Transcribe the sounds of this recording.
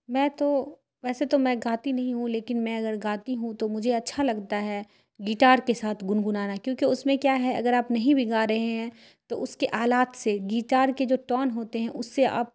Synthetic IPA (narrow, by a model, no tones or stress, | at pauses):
mɛ̃ːt̪o | ʋɛːset̪omɛ̃ɡaːt̪inɐɦĩɦũleːkɪnmɛ̃ɐɡəɾɡaːt̪iɦũt̪omʊd͡ʒʱeɐtːʃʰalɐɡt̪aɦɛː | ɡiːʈaːɾkesaːt̪ʰɡʊnɡʊnaːnakjõːkiʊsmẽkjaːɦɛɐ̰ɡəɾaːpnɐɦĩbʱiɡaːɾɐɦeɦɛ̃ː | t̪oʔʊskeʔaːlaːt̪seɡiːʈaːɾked͡ʒoːʈɔːnɦoːt̪eɦɛ̃ʔʊsːea̰ːp̚